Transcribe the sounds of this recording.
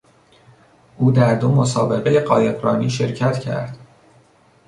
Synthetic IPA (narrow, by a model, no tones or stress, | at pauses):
ʔuːd̪æɾd̪omo̞sɒ̰ːbe̞ɣejeɢɒːje̞bɾɒːniːʃe̞ɾcʰæt̪cʰæ̰ɾd̪̥